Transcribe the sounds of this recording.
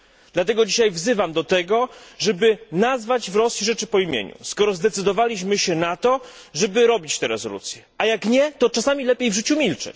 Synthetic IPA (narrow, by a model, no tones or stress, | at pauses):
d̪lat̪ɛɡɔd͡ʑiɕajvzɘvamd̪ɔt̪ɛɡɔʐɛbɘnazvad͡ʑvɾɔsjiʐɛt͡ʂɘpɔimʲjḛɲṵskɔɾɔzd̪ɛt̪sɘd̪ɔvalʲiɕmɘɕɛnat̪ɔʐɛbɘɾɔbʲit͡ɕt̪ɛɾɛzɔ̰lṵt̪sʲjɛajakɲɛt̪ɔt͡ʂasamʲilɛpʲjejvʐɘt͡ɕumʲilt͡ʂɛ̰t͡ɕ